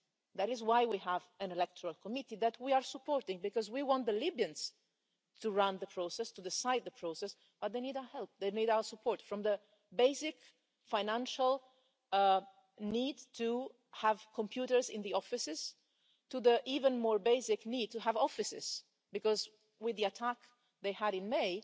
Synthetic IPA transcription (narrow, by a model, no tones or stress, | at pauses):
ðæɾɪzwaɪwiəvæ̃nɛlɛk̚tʰəɹalˠkʰɔmɪtiðæt̚ʰwiəɹsəpʰɔɹtɪ̃ŋbɨkɔzwiwɔ̃nt̪̚ðəlɪbjɨ̃ns | tʰuɹãnðəpʰɹ̥oʊsɛstud̪ɪsaɪd̪̚ðəpʰɹ̥oʊsɛs | b̥ʌt̪̚ðeɪnidaəhɛlˠp̚ðeɪnidaʊə˞səpʰɔɹtfɹɔ̃mðə | beɪsɪk | fãɪnæ̃nʃəlˠ | nid̚tʰu | hæv̥kʰɔ̃mpʰj̥uɾə˞zɪ̃nðiɔfɨsɪz̥ | tuðəʔivə̃nmɔɹbeɪsɪknid̚tuəvɔfɨsɪ̰z̥ | bɨkɔz | wɪðiɨtʰæk | ðeɪəɾɨ̃nmeɪ